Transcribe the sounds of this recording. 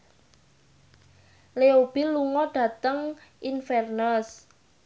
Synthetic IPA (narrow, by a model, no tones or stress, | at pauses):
leob̥iluŋɔɖ̥ä̤t̪əŋʔinfɛrnəs